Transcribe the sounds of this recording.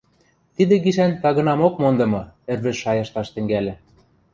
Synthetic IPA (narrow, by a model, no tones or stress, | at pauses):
t̪id̪ɘ̆ɡiʃænt̪ɑɣɤ̆nɑmokmond̪ɤ̆mɤ̆ĕrβɘ̆ʃʃɑjɤ̆ʃt̪ɑʃt̪ɘ̆ŋɡælʲɘ̆